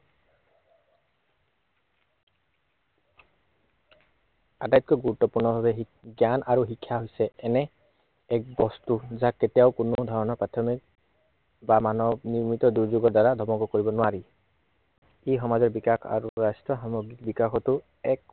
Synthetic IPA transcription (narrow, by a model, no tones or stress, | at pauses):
adajt̚kɔɡuɹut̪ːɔpuɹnɔbʱabɛɦi | ɡjanʔaɹuɦikʰːjaɦojsɛɛnɛ | ɛk̚bɔstuzaketijaʊkʊnod̪ʱɔɹɔnɔɹpɹatʰɔmik̚ | bamanɔbniɹmit̪ɔduɹzoɡɔdaɹadʱɔmɔkɔkoɹibɔnʊwaɹi | ejɦɔmazɔɹbikakʰa̰ɹuɹastɹɔɦamoɡikbikaxʰɔtʊ | ɛk